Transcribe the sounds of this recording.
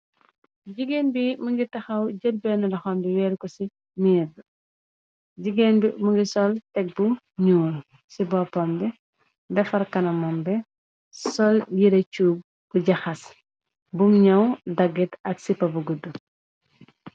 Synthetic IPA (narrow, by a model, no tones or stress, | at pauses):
ɟiɡenbimuŋɡitɐxɐwɟəd̚bɛːnɐlɐxɔmbiwɛːɾkɔsi | miːd | ɟiɡenbimuŋɡisɔltɛk̚bu | ɲuːl | sibɔːpɔmbɛ | dɐfɐrkɐnɐmɔmbɛ | sɔljiɾɐt͡ʃuːb̚ | b̥uɟɐxɐs | buŋɲɐwdɐɡːitɐksipːɐbuɡudːu